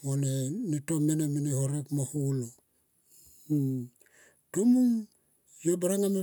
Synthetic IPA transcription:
onenitomenemenehoɾekmahulo | tomuŋ | jobaɾaŋame

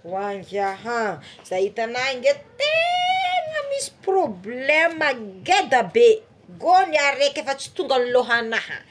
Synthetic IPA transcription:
waŋɡaɦãz̥ait̪anaŋɡet̪e | ŋəmisi̥problɛməɡed̪əbe | ɡoniaɾekʲefat͡si̥t̪uŋɡəniloɦanahə̰

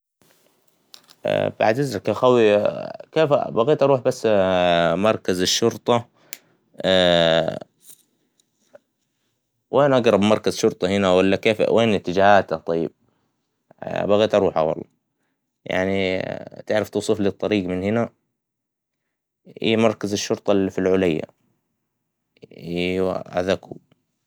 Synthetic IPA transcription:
ba̰ʕd̪azɾˤɑkaxawikeːfbaɣeːt̪ʔɑɾˤuːħbasː | mɑɾˤkazaʃːʊɾt̪ˤɑ | wʔeːnʔɑɡɾˤɑbmɑɾˤkazʃʊɾt̪ˤɑhɪnawalːakeːfwʔeːnɪt̪ːɪd͡ʒaːhaːt̪at̪ˤɑjːɪ̰b̥̚ | baɣaːt̪ʔɑɾuːħa̰wɑ̰lˤːɑ̰ː | ja̰ʕnit̪ɪʕɾɪft̪uːsˤuflit̪ˤːɑɾiːɡmɪnhɪna | hḭːmɑɾˤkazaʃːʊɾt̪ˤɑlifilʕʊlajːa̰ | ʔa̰ðaku

